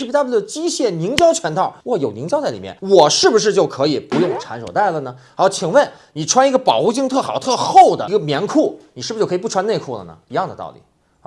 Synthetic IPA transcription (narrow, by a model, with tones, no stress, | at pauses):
ɻ̩˥˩˧a˥˩˥t͡ɕi˥ɕjɛ˥˩ni˧˥ŋt͡ɕjɑ˥ʊt͡ɕʰɥɛ˧˥nt̪ʰɑ˥˩wɔ˥˩jo˨˩ʊni˧˥t͡ɕjɑ˥ʊt͡sa˥˩ɪli˨˩mjɛ̰˥˩nwɔ˨˩ʂɻ̩˥˩bu˩ʂ̬ɻ̩˥˧t͡ɕjo˥˩ʊkʰɤ˧˥i˨˩pu˧˥jʊ˥˩ŋʈ͡ʂʰa˧˥nʂo˨˩ʊt̪a˥˩ɪlə˩nə˩a˧˥o˧˩t͡ɕʰi˨˩ŋwə˥˩n | ni˨˩ʈ͡ʂʰwa˥ni˧˥ɡə˧pɑ˨˩ʊxu˥˧t͡ɕi˥ŋt̪ʰɤ˥˩xɑ˨˩ʊt̪ʰɤ˥˧xo˥˩ʊd̪ə̰˨˥ɡə˧mjɛ˧˥nkʰu˥˩ni˨˩ʂɻ̩˥˩˧t͡ɕo˥˩˧i˨pʈ͡ʂʰwa˥ne˥˧ɪkʰu˥˩lə̰˩nə̰˩i˧˥jɑ˥˩ŋd̪ə˩t̪ɑ̰˥˩ʊlḭ˨˩˦